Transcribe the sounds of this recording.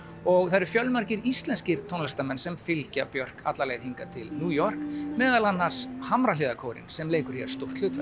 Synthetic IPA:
ɔɣθaɾɪɾ̥fjœlmaɾ̥cɪɾist̪lɛnscɪɾ̥t̪ʰownlst̪amɛnsɛmfɪlcapjœr̥ka̰t̪laleːɣθiŋkat̪ʰɪlnuːjɔr̥kmɛːðalanːḁshamɾalɪːðakʰoːwɾɪ̰nsɛmleːjkʏɾ̥jɛ̰ɾ̥st̪ow̥t̪lʏːt̪vɛ

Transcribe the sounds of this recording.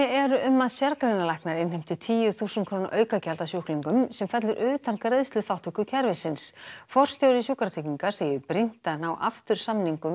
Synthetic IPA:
ɛɛɾʏʔʏmːaðsjaɾkɾejnalajhknaɾɪnhejm̥t̪ɪt̪ʰiːjʏθuːsʏnkʰɾoːwna̰ʔœːɥkacɛlt̪asjuhkliŋkʏmsɛmfɛt̪lʏɾʔʏːt̪ʰanŋ̥kareðst̪ʏθawht̪ʰʏkʏcʰɛɾvɪsɪnsfɔr̥st̪jowɾɪsjuhkɾaɾt̪ʰeːciŋkḁseːjʏpɾɪn̥t̪anawʔa̰ft̪ʏɾ̥samniŋkʏm

